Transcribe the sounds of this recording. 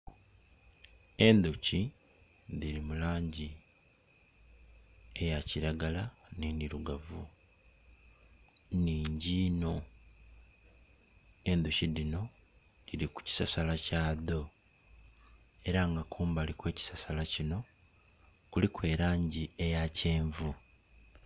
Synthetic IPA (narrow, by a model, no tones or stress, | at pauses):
e̞nd̪uci | ðiɾimulaːɲɟi | e̞jaciɾaɡalaniːndiɾuɡavu | niːɲɟiːno | e̞nd̪uciðino̞ | diɾiku̥ci̥sasalacaːðo̞ | e̞ɾaŋɡakuːmbalikwe̞ːci̥sasalacino̞ | kulikwe̞ːɾaːɲɟie̞jace̞ːɱvu